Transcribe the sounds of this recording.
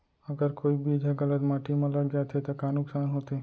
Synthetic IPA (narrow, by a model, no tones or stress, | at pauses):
ɐɡəɾkoːibʱid͡ʒʱəɡɐlət̪maːʈimãlɐɡd͡ʒaːt̪ɦet̪okaːnʊksaːnɦoːt̪e